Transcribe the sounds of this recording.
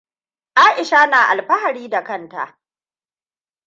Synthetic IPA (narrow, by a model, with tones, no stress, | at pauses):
ʔaː˦ʔɪ˨ʃa˦naː˨ʔa̰˨lɸɐ˦ha˨ɽiː˦da˨kɐ˦˨nta̰˨ʔ